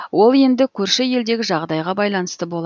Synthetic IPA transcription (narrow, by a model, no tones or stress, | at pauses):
wo̞lˠe̞nd̪ɪkʲʰɵɾʃɪje̞ld̪e̞ɡʲɪʒɑʁd̪ɑjʁɑbɑjlˠɑnəst̪əbo̞lˠɑ